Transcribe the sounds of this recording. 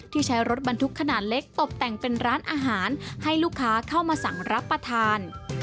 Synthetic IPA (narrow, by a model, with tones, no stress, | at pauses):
t̪ʰiː˥˩t͡ɕʰa˦˥jɾo˦˥t̪̚ba˧nt̪ʰu˦˥kʰːa˧naː˨˩t̪̚le˦˥k̚t̪o˨˩p̚t̪ɛ˨˩ŋpe˧nɾaː˦˥nʔaː˧ɦaː˩˦nha˥˩jluː˥˩kʰːaː˦˥kʰa˥˩wmaː˧sa˨˩˦ŋɾa˦˥pːɾa˧t̪ʰaː˧n